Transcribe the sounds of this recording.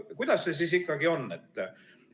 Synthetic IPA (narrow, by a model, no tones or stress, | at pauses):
kujd̪̥ɑsːes̬is̬ikːɑɡio̞nːet̪ːˑ